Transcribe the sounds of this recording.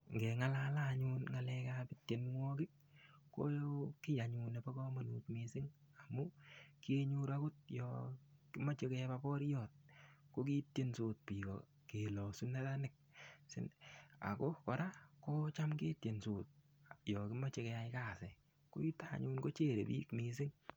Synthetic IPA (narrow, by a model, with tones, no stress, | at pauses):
ŋɡɛ˨ŋa˦lalaɲu˦nŋa˨lɛkapɪ˦tje˨nŋwɔ˦kɪ˦k̚ː | o̰˦jo˦kɪ˦ja˨ɲu˧ne˨pa˦kɔ˦mo˨nu˨tmi˨sɪ˦ŋ | a˨mu˦ki˦e˦ɲuɾa˦ku˦t̚jɔ̰kɪ˦mɔ˦t͡ʃe˦kɛpa˦pɔ˦ɾjɔ˨t̚ko˦ki˦tje˦nso˨t̚pi˨kɔ̰ | ke˨lɔ˨su˦ne˦ta˦nɪ˨k̚sɪ̰˦na̰˨ko˦kɔ˨ɾa˦ko˦t͡ʃa˦mke˦tje˨nsoː˨t̚ | jɔkɪ˦mɔ˦t͡ʃekɛa˧ɪka˦sɛ | ko̰˦i˦taɲu˦nko˦t͡ʃe˦˨ɾḛ˨pḭːkmis̬ɪ˦ŋ